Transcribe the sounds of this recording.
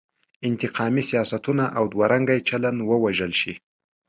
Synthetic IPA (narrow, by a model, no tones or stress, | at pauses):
ɪnt̪ɪqɑmisijɑsat̪unaʔawd̪waɾaŋɡajt͡ʃalanwəwaʒəlʃi